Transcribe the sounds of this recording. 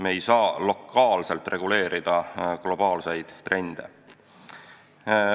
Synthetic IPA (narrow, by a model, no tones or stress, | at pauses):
meːjsɑːlo̞kːˑɑːlse̞lt̪ˑre̞ɡ̥ule̞ːɾid̪̥ɑɡ̥lo̞b̥ɑːlsejd̪̥t̪ːre̞nd̪̥e̞